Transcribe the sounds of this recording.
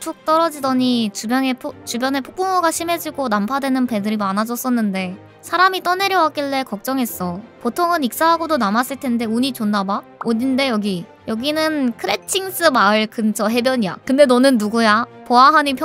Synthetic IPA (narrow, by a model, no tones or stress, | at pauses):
t͡ɕʰok̚t͈ʌɾʌd͡ʑidʌɲit͡ɕubjʌŋepʰt͡ɕubjʌne̞pʰok̚p͈oŋoɡaɕʰime̞d͡ʑiɡonampʰadwe̞nɯnpe̞dɯɾimanad͡ʑʌs͈ʌnːɯnde̞ | sʰaɾamit͈ʌne̞ɾjʌwak͈iɭːe̞kʌk̚t͡ɕ͈ʌŋɦe̞s͈ʌpotʰoŋɯnik̚s͈aɦaɡodonamas͈ɯɭtʰe̞nde̞uɲit͡ɕonːabaoɲinde̞jʌɡi | jʌɡinɯnkʰɯɾe̞t͡ɕʰiŋs͈ɯmaɯɭkɯnt͡ɕʰʌɦe̞bjʌɲija̰kɯnde̞nʌnɯnːuɡujapoaɦaɲipʰj